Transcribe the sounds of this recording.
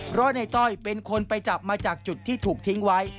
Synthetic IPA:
pʰɾɔ˦˥na˧jt̪ɔ˥˩jpe˧nkʰo˧npa˧jt͡ɕa˨˩p̚maː˧t͡ɕaː˨˩k̚t͡ɕu˨˩t̪ʰːiː˥˩t̪ʰuː˨˩k̚t̪ʰi˦˥ŋwa˦˥j

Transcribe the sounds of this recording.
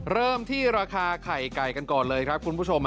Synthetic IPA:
ɾɤː˥˩mt̪ʰiː˥˩ɾaː˧kʰaː˧kʰa˨˩jka˨˩jka˧nkɔː˨˩nlɤː˧jkʰɾa˦˥p̚kʰu˧npʰu˥˩t͡ɕʰo˧m

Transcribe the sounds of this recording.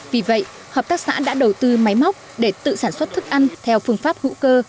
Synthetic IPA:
vi˨˩və̰˧˨j | həː˨˩p̚t̪aː˦˥k̚sa̰ː˧˥ɗa̰ː˧˥ɗə˨˩wt̪ɨ˧ma˨˦jma˦˥wk͡p̚ɗe˧˩t̪ɨ̰˧˨saː˧˩nswə˦˥t̚t̪ʰɨ˦˥k̚ʔa˧jŋ̟t̪ʰɛ˧wfɨ˧əŋfaː˦˥p̚hṵ˧˥kəː˧

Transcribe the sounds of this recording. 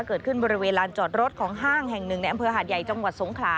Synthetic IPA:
a˥˩kɤː˨˩t̪̚kʰɯ˥˩nbɔː˧ɾi˦˥weː˧nlaː˧nt͡ɕɔː˨˩t̪̚ɾo˦˥t̪̚kʰɔː˩˦ŋɦaː˥˩ŋhɛ˨˩ŋnɯ˨˩ŋna˧jʔa˧mpʰːɦaː˨˩t̪̚ja˨˩jt͡ɕa˧ŋwa˨˩t̪̚so˩˦ŋkʰlaː˨˦˥

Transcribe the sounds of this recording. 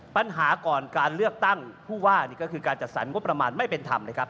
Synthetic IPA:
pa˧nɦaː˩˦kɔː˨˩nkaː˧nlɯ˥˩ək̚t̪a˥˩ŋpʰuː˥˩waː˥˩niː˥˩kɔ˥˩kʰɯː˧kaː˧nt͡ɕa˨˩t̪̚sa˩˦nŋo˦˥pːɾa˧maː˧nma˥˩jpe˧nt̪ʰa̰˧mlɤː˦˧˩kʰa˦˥p̚

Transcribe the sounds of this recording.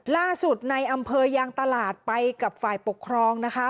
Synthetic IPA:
laː˥˩su˨˩t̪̚na˧jʔa˧mpʰɤː˧jaː˧ŋt̪a˧laː˨˩t̪̚pa˧jka˨˩p̚faː˨˩jpo˨˩kʰːɾɔː˧ŋna˦˥kʰa˦˥

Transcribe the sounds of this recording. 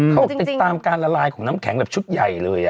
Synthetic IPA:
xə˧wi˧˨˩t̪aː˧mkaː˧laː˧˩laː˧jkʊ˧˩ŋ͡mna˨˦mkɛ˧˩˦ŋlə˨˩p̚t͡ɕu˦˥t̚za˨˩jlɨ̰˨˩əj

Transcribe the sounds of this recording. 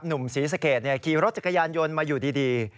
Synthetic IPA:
p̚nu˨˩msiː˨˩˦s̬a˧keː˨˩t̪̚ni˦˥˩ɐkʰiː˨˩ɾo˦˥t̪̚t͡ɕa˨˩kːa˧jaː˧njo˧nmaː˧juː˨˩diː˧diː˧

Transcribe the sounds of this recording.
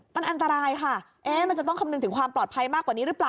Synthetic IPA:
ma˧nʔa˧nt̪a˧ɾaː˧jkʰa˥˩ | ʔɛː˥ma˧nt͡ɕa˨˩t̪ɔ˥˩ŋkʰa˧nɯ˧ŋt̪ɯ˩˦ŋkʰwaː˧mplɔː˨˩t̪̚pʰa˧jmaː˥˩kwa˨˩niː˦˥ɾɯː˦˥plaː˨˩

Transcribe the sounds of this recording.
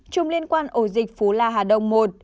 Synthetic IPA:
t͡ɕʊ˨˧˩ŋ͡mli˧ənkwaː˧nʔo˧˩zï˨˩k̟̚fu˨˦laː˧˩ɦaː˨˩ɗə˨wŋ͡mmo˨˩t̚

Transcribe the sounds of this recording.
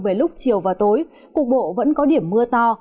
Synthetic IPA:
ve˧˩lʊ˦˥k͡p̚t͡ɕi˨˩əwvaː˨˩t̪o˨˦j | ku˨˩ək̚ɓo̰˧˨və̰˧˥nkɔ˨˦ɗi˧˩əmːɨ˧ət̪ɔ˧

